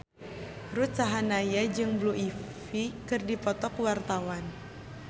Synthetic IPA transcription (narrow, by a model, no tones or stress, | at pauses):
rut̪̚t͡ʃaɦanajad͡ʒɨŋbluʔifikɨrdipɔt̪ɔkwart̪awan